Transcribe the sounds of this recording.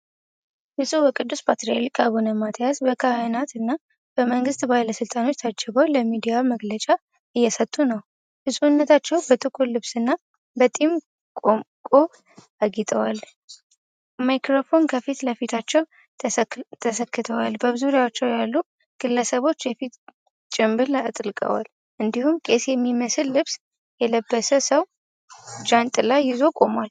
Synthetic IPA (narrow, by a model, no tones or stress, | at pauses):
hɨsʼubəkʼɨd̪ːusbat̪ɾialkʼaβunəmːat̪ʰjazbəkʰaɪnat̪ɨnːa | b̥əməŋɡɨst̪ʼbaləsɨlt̪ʼano̞t͡ʃːt̪ʰad͡ʒɪβəwləmid̪ijaməɡlət͡ʃʼa | ɨjːɛsət̪ʼːunəw | hɨsʼunːət̪ʰat͡ʃːɛwbət̪ʼɨkʼulɨβsɨnːa | bət̪ʼim | kʼom | kʼo | aɡit̪ʼəwal | majkɾofo̞nkʰəfit̪ləfit̪ʰat͡ʃːɛw | t̪ʰəsəkːɨt̪ʰəwalbəβɨzuɾjawat͡ʃːɛwjalːu | ɡ̥ɨlːəsəβo̞t͡ʃːjɛfit̪ | t͡ʃʼɪmbɨlaɨt̪ʼɨlkʼə̰wa̰l | ʔɨnd̪ihumkʼe̞sjɛmːiməsɨlːɨβs | jɛləbːəsəsəw | d͡ʒant̪ʼlajːɪzo̞kʼo̞mwal